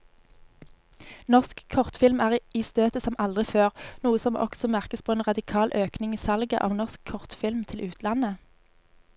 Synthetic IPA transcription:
nɔʁskʰɔʁt̪fɪlmæːʁiːst̪øːt̪əsɔmʔɑld̪ʁɪføːʁnuːəsɔmʔɔ̰ksɔmæʁkəspʰoːeːnʁɑd̪ɪkʰɑːlʔøːknɪŋiːsɑlɡə̰ʔɑ̰ːʋnɔʁskʰɔʁt̪fɪlmt̪ʰɪlʔʉːt̪ʰlɑnə

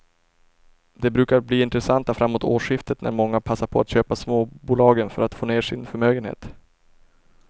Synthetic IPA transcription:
d̪ɛbɾʉ̟ːkaɾbliːɪnt̪ɾɛsant̪afɾamːoːt̪ʰoːʂɪft̪ət̪nʔæ̰ɾmɔŋːapʰasːaɾpʰɔat̪ɕøːpasmoːbuːlɑːɡənfœɾat̪foːneːʂɪnfœɾmøːɡənhḛːt̪

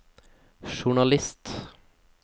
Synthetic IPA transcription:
ʃʊɳɑlɪst̪

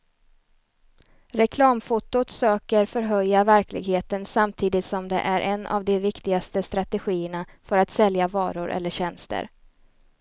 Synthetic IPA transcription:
ɾɛkʰlɑːmfʊt̪ːʊt̪søːkəɾfœɾɦœjːavæɾklɪ̰ɡheːt̪ənsamt̪ʰiːd̪ɪt̪sɔmd̪ɛ̰ʔæɾʔɛnːʔa̰vd̪ɛvɪkt̪ɪɡast̪əst̪ɾat̪ɛɧiːəɳafœɾat̪sɛljavɑːɾʊɾʔɛ̰lːəɕɛnst̪ə̰ɾ

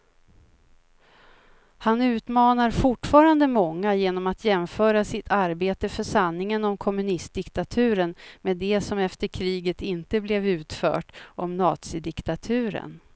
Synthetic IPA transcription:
hanʉ̟ːt̪mɑːnaɾfʊʈːfɑːɾand̪əmɔŋːajeːnɔmat̪ʰjɛmfœːɾasɪt̪ʰaɾbeːt̪əfœʂanːɪŋənɔmkʰɔmɵnɪst̪̚d̪ɪkt̪at̪ʰʉ̟ːɾənmeːd̪ɛsɔmɛft̪əɾkʰɾiːɡət̪ɪnt̪əblɛvʉ̟ːt̪fœ̰ːʈɔmnɑːt̪sɪd̪ɪkt̪at̪ʰʉ̟ːɾə̰n

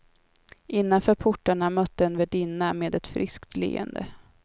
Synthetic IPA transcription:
ʔɪnːanfœːɾpʰʊʈːaɳamœt̪ːəɛnvɛɖɪnːameːd̪ɛt̪fɾɪskt̪lḛːɛ̰nd̪ə̰

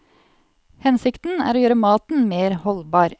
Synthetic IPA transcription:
hɛnsɪkt̪n̩æ̰ːɾoːjøːɾəmɑːt̪n̩meːɾhɔlbɑːɾ

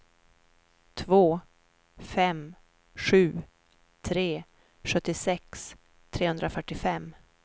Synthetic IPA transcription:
t̪ʰvoː | fɛm | ɧʉ̟ː | t̪ʰɾeː | ɧɵt̪ːɪsɛks | t̪ʰɾeːhɵnd̪ɾafœʈːɪfɛmː

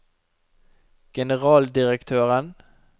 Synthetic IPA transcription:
ɡ̥ɛnəʁɑːld̪ɪɾɛkt̪ʰøːɾən

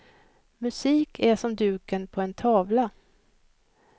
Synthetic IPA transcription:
mɵsiːkʰæʂɔmd̪ʉ̟ːkənpʰɔɛnt̪ʰɑːvla

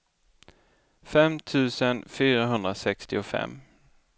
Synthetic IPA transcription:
fɛmt̪ʰʉ̟ːsənfyːɾaɦɵnd̪ɾasɛkst̪ɪʊfɛ̰mː

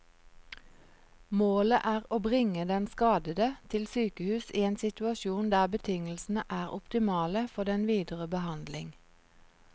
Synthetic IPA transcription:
moːləʔæːʁoːbʁɪŋəd̪ɛnskɑːd̪əd̪ət̪ʰɪlsyːkəhʉːsiːeːnsɪt̪ʉɑʃuːnd̪æːʁbət̪ʰɪŋlsn̩əʔæːʁʊpt̪ɪmɑːləfɔʁd̪ɛnʋiːd̪əʁəbəhɑnd̪lɪŋ

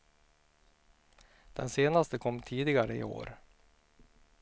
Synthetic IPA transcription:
d̪̥ɛnseːnast̪əkʰɔmːt̪ʰiːd̪ɪɡaɾəɪ̰o̰ːɾ

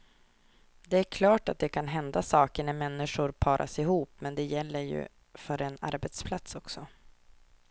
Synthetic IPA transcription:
d̪ɛæɾkʰlɑːʈat̪̚d̪ɛkʰanɦɛnd̪asɑːkəɳæmɛnːɪʂʊɾpʰɑːɾʔa̰sɪɦuːpːmɛnd̪ɛjɛlːəɾjɵ̰ | fœɾɛna̰ɾbɛt̪spʰlat̪sɔksɔ

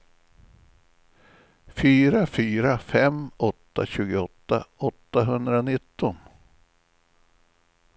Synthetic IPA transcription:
fyːɾafyːɾafɛmʔɔt̪ːa̰ɕʉ̟ːɡəɔt̪ːa̰ɔt̪ːaɦɵnd̪ɾanɪt̪ːɔn

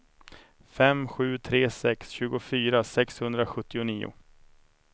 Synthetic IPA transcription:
fɛmɧʉ̟ːt̪ʰɾeːsɛksɕʉ̟ːɡʊfyːɾasɛkshɵnd̪ɾaɧɵt̪ːɪʊniːʊ̰

